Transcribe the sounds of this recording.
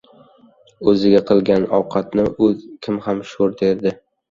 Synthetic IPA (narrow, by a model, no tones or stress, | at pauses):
ɵzɪɡʲaqʰɨlˠɡʲanɒwqʰɑt̪nɪʔɵzkʲʰɪmhamʃoɾd̪eɾd̪ɪ